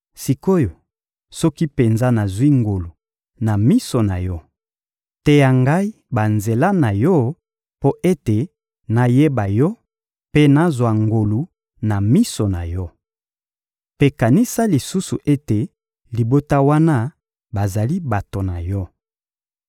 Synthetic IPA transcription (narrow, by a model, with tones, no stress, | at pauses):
si˨ko˦jo˨ | sɔ˦ki˦pe˨nza˦na˨zwi˦ŋɡo˨lu˨ | na˨mi˦so˨na̰˨jɔ˦ | tɛ˦ja˨ŋɡa˦i˦ | ba˨nze˨la˦na˨jɔ˦ | po˦ʔe˦te˨ | na˨je˦ba˨jɔ˦ | pe˦na˨zwa˨ŋɡo˨lu˨ | na˨mi˦so˨na˨jɔ˦ | pe˦ka˨ni˦sa˦li˨su˦su˨ʔe˦te˨ | li˨bo˦ta˦wa˦na˦ | ba˨za˨li˦ba˨to˨na˨jɔ˦